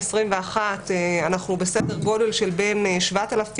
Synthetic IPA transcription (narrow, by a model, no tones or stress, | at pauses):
sʁimveaχateanaχnubesedeʁɡo̞de̞lʃe̞lbe̞nʃvat̪alaf